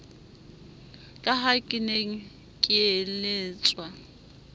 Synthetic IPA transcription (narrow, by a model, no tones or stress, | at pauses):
kʼaɦakʼɪneŋ̩ | kʼɪeleːt͡sʼwa